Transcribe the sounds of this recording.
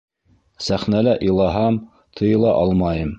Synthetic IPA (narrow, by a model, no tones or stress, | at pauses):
sæχnælæʔilˠɑɦɑm | t̪ʰɤ̆jɤ̆lˠɑʔɑlˠmɑjɤm